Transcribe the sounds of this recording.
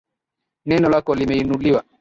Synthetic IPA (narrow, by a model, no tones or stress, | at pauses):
nɛnɔlakɔlimɛinuliwa